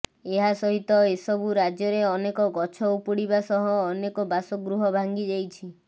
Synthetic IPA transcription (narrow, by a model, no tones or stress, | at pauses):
eɦasɔɦit̪ɔesɔbuɾad͡ʒjɔɾeɔnekɔɡɔt͡ʃʰɔupuɽibasɔɦɔːnekɔbasɔɡɾuɦɔbʱaŋɡid͡ʒajt͡ʃʰi